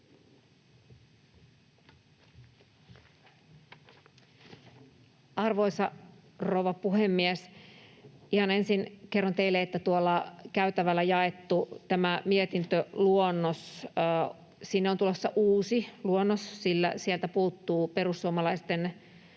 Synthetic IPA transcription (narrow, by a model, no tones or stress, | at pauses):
ɑrʋo̞isɑrouwʋɑpuhemːies | ihɑnensinkerːont̪eileet̪ːæt̪uolːɑkæyt̪æʋælːæjɑet̪ːut̪æmæmiet̪int̪øluonːos | sinːeont̪ulosːɑʔuːsiluonːossilːæ̰siɛlt̪æpuːt̪ːuːpe̞ɾusːuomɑlɑist̪en